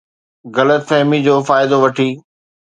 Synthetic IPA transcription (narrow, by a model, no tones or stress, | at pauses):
ɣɐlət̪sɛɦmid͡ʑoːfaːɪd̪oʋɐʈʰiː